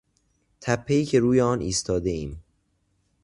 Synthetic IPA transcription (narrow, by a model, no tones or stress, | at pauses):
t̪ʰæpʰːe̞iːcʰe̞ɾuːjeɒːniːst̪ʰɒːd̪e̞iːm